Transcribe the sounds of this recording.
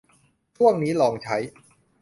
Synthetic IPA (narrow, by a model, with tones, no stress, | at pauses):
t͡ɕʰu˥˩əŋniː˦˥lɔː˧˩ŋt͡ɕʰa˦˥j